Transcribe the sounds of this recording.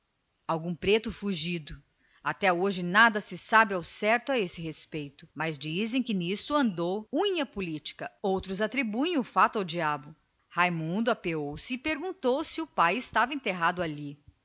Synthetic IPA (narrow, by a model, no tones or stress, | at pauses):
awɡũpɾet̪ʊfuʒid̪ʊ | at̪ɛoʒɪnad̪ɐsɪsabɪawsɛɾt̪ʊaesɪɦespejt̪ʊmɐzd͡ʒizẽj̃kɪnist̪ʊɐ̃nd̪owũɲɐpulit͡ʃi̥kɐowt̪ɾʊzat̪ɾibuẽj̃ʊfat̪ʊawd͡ʒiabʊ | hajmũnd̪ʊapeowsɪːpeɾɡũnt̪owsɪʊpajɪst̪avɐẽnt̪eɦad̪ʊali